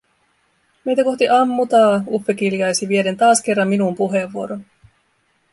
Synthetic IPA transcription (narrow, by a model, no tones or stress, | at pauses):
me̞jt̪æko̞ht̪iʔɑmːut̪ɑːufːek̟iljɑjsiʋiede̞nt̪ɑːsk̟e̞rːɑmːinumpuɦe̞ʋuo̞ɾo̞n